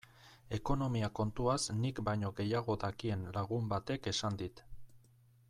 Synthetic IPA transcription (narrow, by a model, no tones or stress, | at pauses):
e̞ko̞no̞miako̞nt̪uasnikbajɲo̞ɣe̞jaɣ̞o̞d̪akie̞nlaɣ̞umbat̪e̞ke̞sand̪it̪